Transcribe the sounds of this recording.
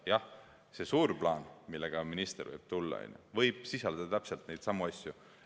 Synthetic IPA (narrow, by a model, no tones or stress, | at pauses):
jɑh | se̞suːrplɑːnmilːeɡ̥ɑminist̪ervɤ̰jb̥̚t̪ulːɑ̰o̰jnʲjṵvɤjb̥̚sisɑld̪̥ɑt̪æpselt̪ne̞jt̪sɑmuɑsʲju